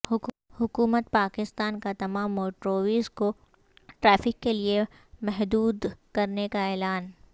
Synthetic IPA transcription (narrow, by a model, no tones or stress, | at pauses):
hʊkuːmət̪̚paːkɪst̪aːnkat̪ɐmaːmːoːʈɾoːʋiːzko | ʈɾɛːfɪkːelie | mɛɦd̪uːd̪kɐɾnekaɛːlaːn